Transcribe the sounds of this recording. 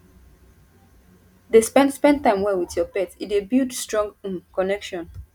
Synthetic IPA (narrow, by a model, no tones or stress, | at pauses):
despɛ̃ndspɛ̃n̚tãɪ̃mwɛwiθjɔpɛtitebildstɹɔ̃ŋɡũkɔnɛkʃɔ̃n